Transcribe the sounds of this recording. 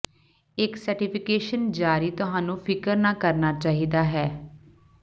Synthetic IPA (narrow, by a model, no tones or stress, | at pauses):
ɪksəɾʈɪpʰɪkeːʃənd͡ʒaːɾiːt̪ʊɦãːnũːpʰɪkəɾnaːkəɾnaːt͡ʃaːɦiːd̪aːɦɛː